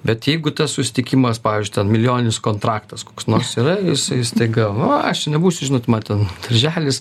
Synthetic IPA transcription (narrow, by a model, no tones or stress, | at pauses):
bʲɛt̪jɛɪɡʊt̪ɐssʊsʲɪ̥t̪ʲɪkʲimɐspɑːʋʲiːzʲd͡ʒʲʊɪt̪ʲɛnmʲɪlʲɪjoːnʲɪnʲɪskoːnt̪ɾɑːkt̪ɐskoːksnoːrsiːɾɐjɪsɐɪɪst̪ɐɪɡɐʋʊɐɐʃʲnʲɛbuːsʲʊʒʲɪnoːt̪mɐnt̪ʲɛnd̪̥ɐrʲʒʲæːlʲɪs